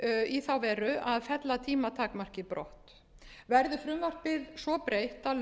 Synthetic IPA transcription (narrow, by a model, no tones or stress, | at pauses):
iθawvɛːɾʏaðfɛt̪lat̪ʰiːmat̪ʰaːkmar̥cɪpɾɔ̰ht̪ | vɛɾðʏfɾʏmvar̥pɪðsvɔpɾeːjht̪al